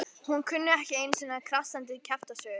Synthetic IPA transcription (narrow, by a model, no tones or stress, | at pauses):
hunkʰʏnːʏɛhcɪejnsɛːnakʰɾasant̪̬ɪcʰɛft̪asœː